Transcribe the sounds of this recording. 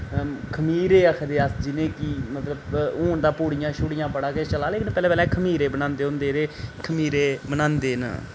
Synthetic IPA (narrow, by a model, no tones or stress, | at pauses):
kʰəmiːɾeːəkʰd̪eːəsd͡ʒɪnẽːkimət̪ləboːɳd̪aːpoːɽɪjãːʃʊɽɪjãːpəɽaːket͡ʃəlaːleːkɪnpɛːlɛ̃ːpɛːlɛ̃ːkʰəmiːɾeːbənãːnd̪eːɦʊ̃nd̪eːɾeːkʰəmiːɾeːbənãːnd̪eːnə̰